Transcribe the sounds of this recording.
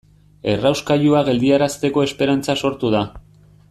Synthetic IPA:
e̞rawskaʎuaɣe̞ld̪iaɾast̪e̞ko̞e̞spe̞ɾant͡saso̞ɾt̪uð̞a

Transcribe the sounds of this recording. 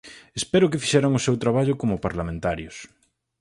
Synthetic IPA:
espɛɾʊkɪfi̥ʃɛɾaŋʊsewt̪ɾaβ̞aʎʊkomʊpaɾlamẽnt̪aɾjʊs

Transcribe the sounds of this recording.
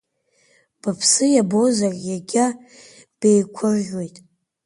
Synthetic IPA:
b̥apʰsɨjabozarʲʼjaɡʲa | b̥ejkʷʰʊrːwe̞jtʼ

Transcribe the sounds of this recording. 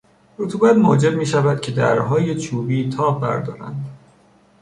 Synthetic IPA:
ɾot̪ʰuːbæt̪mod͡ʒe̞bmiːʃævæd̪̥̚cʰe̞d̪æ̰ɾɦɒːje̞t͡ʃʰuːbiːt̪ʰɒːbːæ̰ɾd̪ɒ̰ːɾæ̰nd̪

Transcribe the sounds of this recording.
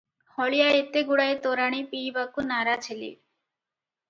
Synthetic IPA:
hɔɭijaet̪eɡuɽaet̪oɾaɽ̃ipibakunaɾat͡ɕʰelḭ

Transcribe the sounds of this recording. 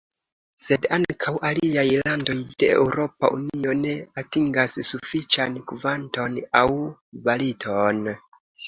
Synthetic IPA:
se̞daŋkʰawʔaliajlando̞jde̞ewɾo̞pa̰ʔṵnio̞ne̞atiŋɡassufit͡ʃankvanto̞nawvalitʰon

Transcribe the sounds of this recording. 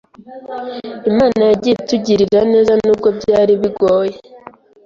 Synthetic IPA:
imaːnajaɟituɟiɾiɾane̞ːzanuːbɡo̞bɟaːɾiβiɡo̞ːje

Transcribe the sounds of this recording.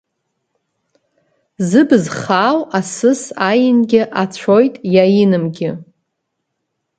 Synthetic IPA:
zɨbɨzχaːwasɨsajɪnɡʲɪʔat͡ɕʷʰo̞jtʼjajinɨmɡʲɪ

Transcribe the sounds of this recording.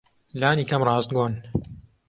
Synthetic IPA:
laːniːkɐmrɑːzt̪̚ɡoːn

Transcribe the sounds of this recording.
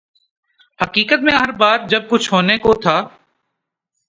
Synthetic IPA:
hɐkiːkət̪mẽɦɐɾbaːɾ̚d͡ʒɐb̚kʊt͡ʃʰɦoːnekot̪ʰaː

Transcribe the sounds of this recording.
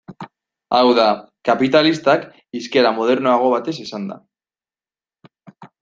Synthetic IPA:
awðakapit̪alist̪ak | iske̞ɾamo̞ð̞e̞ɾno̞aɣ̞o̞β̞at̪e̞sesand̪a̰

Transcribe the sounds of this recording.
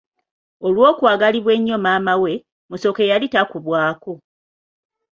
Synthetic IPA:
olwo̞ːkwaːɡaliβwe̞ɲːo̞maːmawe̞ | muso̞ke̞jalitakuβwaːko

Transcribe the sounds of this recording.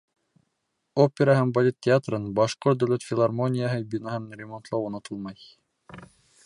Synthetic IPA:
opʲeɾɑɦæmbolʲit̪ʲtʲːɪat̪rɤnbɑʃqort̪̚d̪ɵwlʲæt̪fʲɪlˠarmonʲɪjaɦɤbʲinaɦɤnrʲɪmont̪lˠɑwunɤt̪ʰɤlˠmɑj

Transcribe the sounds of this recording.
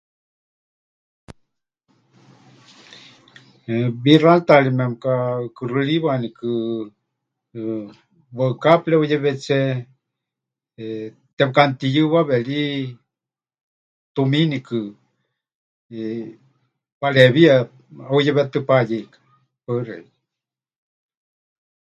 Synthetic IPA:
βiralt̪alimɛmkakɨrɨliβanikɨ | βəɨkaplɛujɛβɛt͡ʃɛ | t̪ɛbkant̪ijɨβaβɛli | t̪uminikɨ | paleβia | aujɛβɛt̪ɨpajikḁ | pəɾɛ̰

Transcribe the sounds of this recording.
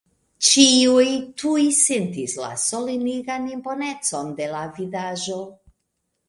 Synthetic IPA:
t͡ʃiujtʰujsentisla̰so̞liniɡanimpo̞ne̞t͡so̞nde̞lavidaʒo̞

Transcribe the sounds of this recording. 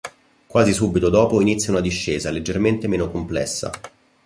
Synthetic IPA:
kwaːzisuːbːit̪od̪ɔːpoinit̪sjaunad̪iʃːeːzaled͡ʒːerment̪emeːnokomplɛ̰sːa̰

